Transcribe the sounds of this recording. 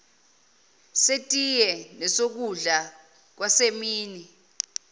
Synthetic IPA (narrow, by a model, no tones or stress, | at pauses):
setʼijɛnɛsok̬uɮa | k̬wasemiːni